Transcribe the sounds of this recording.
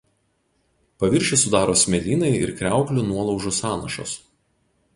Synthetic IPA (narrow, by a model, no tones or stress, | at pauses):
pɐʋʲɪɾʲʃʲɪsʊd̪ɑːɾoːsʲmʲɛlʲiːnɐɪɪ̰ɾkɾʲæˑʊklʲʊnuɔlˠɒʊʒʊsɑːnɐʃo̰s